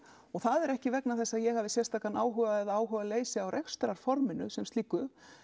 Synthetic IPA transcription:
ɔɣθaðɛɾɛhcɪvɛknaθɛsːaðjɛɣhavðɪsjɛrst̪aːkanaːwɦʏvaɛðaːwɦʏvaleːjsɪawɾʔexst̪ɾaɾ̥fɔɾmɪnʏsɛmst̪iːkːʏ

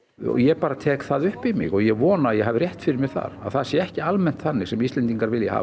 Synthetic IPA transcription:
ɔ̰jɛpaːɾat̪ʰɛːkθaðʏhpɪmɪ̰ɣɔjɛɣvɔːnaːðjɛɣɦavɪrjɛht̪fɪɾɪɾmɪɣθa̰ɾa̰ðθasjɛɛhcɪalmɛnt̪θanːɪɣsɛmist̪ɛnt̪iŋkaɾvɪljaha̰ː

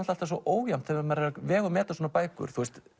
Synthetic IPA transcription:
n̥t̪alt̪asɔʔoːwjam̥t̪θɛamɛɾɛɾavɛːɣʏmɛːt̪aswoːnapaːjkʏ̰ɾ̥θust̪

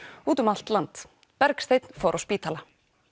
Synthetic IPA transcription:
uːt̪ʏmal̥t̪lant̪ | pɛɾkst̪eːjt̪n̥faːwɾʔawspiːt̪ʰaːla

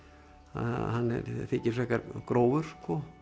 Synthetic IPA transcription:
a̰hanːɛ̰ɾθɪcːɪɾ̥sɛhkaɾkɾoːwvʏɾ̥skʰɔ

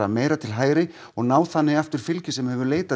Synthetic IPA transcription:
a̰meːjɾat̪ʰɪlɦaːjɾɪ | ɔɣnaːwθanːɪɣaft̪ʏɾ̥fɪlcɪsɛmhɛvʏɾleːjt̪a

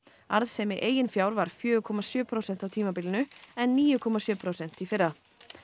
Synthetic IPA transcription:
aɾðsɛmɪʔeːjɪnfjawɾvaɾ̥fjœːʏkʰɔmasjœːpʰɾowsɛn̥t̪awt̪ʰiːmapiːlɪnʏɛnːiːjʏkʰɔmasjœːpʰɾowsɛn̥t̪ifɪɾða

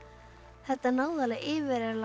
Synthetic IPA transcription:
hɛht̪ːanaːwðalɛɣɪːvɪɾɛla

